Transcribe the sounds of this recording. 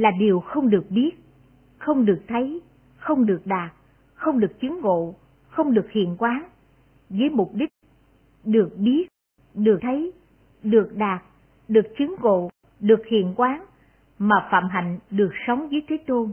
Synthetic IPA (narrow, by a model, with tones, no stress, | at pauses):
laː˨˩ɗi˨˩əwxə˧wŋ͡mɗɨ˨˩ək̚ɓi˦˥ət̚ | xə˧wŋ͡mɗɨ˨˩ək̚t̪ʰə˨˦j | xə˧wŋ͡mɗɨ˨˩ək̚ɗaː˨˩t̚ | xə˧wŋ͡mɗɨ˨˩ək̚t͡ɕɨ˨˦ŋɣo̰˧˨ | xə˧wŋ͡mɗɨ˨˩ək̚hḭ˧˨ənkwaː˨˦n | vəː˨˦jmʊ˨˩p̚ɗï˦˥k̟̚ | ɗɨ˨˩ək̚ɓi˦˥ət̚ | ɗɨ˨˩əkt̪ʰə˨˦j | ɗɨ˨˩ək̚ɗaː˨˩t̚ | ɗɨ˨˩ək̚t͡ɕɨ˨˦ŋɣo̰˧˨ | ɗɨ˨˩ək̚hḭ˧˨ənkwaː˨˦n | maː˨˩fa̰ː˧˨mɦa̰˧˨jŋ̟ɗɨ˨˩ək̚sə˨˦wŋ͡mvəː˨˦jt̪ʰe˨˦t̪o˧n